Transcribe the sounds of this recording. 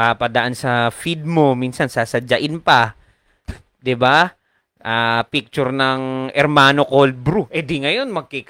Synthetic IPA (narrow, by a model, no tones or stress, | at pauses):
apɐd̪ɐʔansɐfid̪̚mominsɐnsasɐd͡ʒɐʔɪnpa | d̪ɪba | ʔaːpik̚t͡ʃʊɾnɐŋʔɛɾmaːnokol̚bɾuʔɛd̪iŋɐjonmɐɡ̚kik